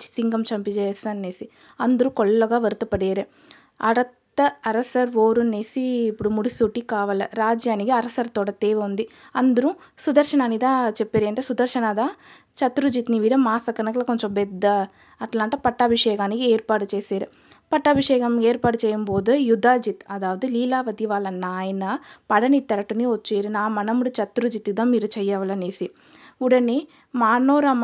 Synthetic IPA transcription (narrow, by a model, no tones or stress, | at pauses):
t͡ʃi̥siŋɡɐmt͡ʃɐmpit͡ʃeːsɐnːeːsi | ɐnd̪uɾukɔɭːɐɡaːʋɐɾut̪ɐpɐɽeːɾe | ɐ̰ɽɐt̪ːɐɐɾɐsɐɾʋoːɾuneːsiːpːuɽumuɽisuːʈːikaːʋɐlɐɾaːd͡ʒjaːnikiɐɾɐsɐɾt̪ɔːɽɐt̪eːʋeund̪i | ɐnd̪ɐɾu | sud̪ɐɾʃɐnaːnid̪aːt͡ʃɛpːeɾiɐɳʈeːsud̪ɐɾʃɐnaːd̪a | t͡ʃɐt̪ɾud͡ʒit̪niʋiːɾɐmaːsɐkɐnɐkɐlɐkoɲt͡ʃombɛd̪ːɐ | ɐʈlaːɳʈɐpɐʈːaːbʱiʂɛːkaːnikieːɾpaːʈut͡ʃeːseːɾu | pɐʈːaːbʱiʂɛːkɐmeːɾpaːʈut͡ʃɛːjɐmboːd̪ɐjud̪ʱaːd͡ʒit̪ɐd̪aːʋɐd̪iliːlaːʋɐd̪iʋaːlːɐnaːjɐnɐpɐɽɐnit̪ːɛɾɐʈuniʋot͡ʃːeːɾunaːmɐnɐmuɽut͡ʃɐt̪ɾud͡ʒit̪ːid̪aːmiːɾut͡ʃɛjːɐʋɐlɐneːsi | uɽɐni | maːnoːɾaːm